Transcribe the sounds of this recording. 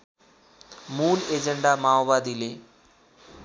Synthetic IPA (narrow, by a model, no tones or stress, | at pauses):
muːled͡ʑeɳɖamaːobaːd̪ile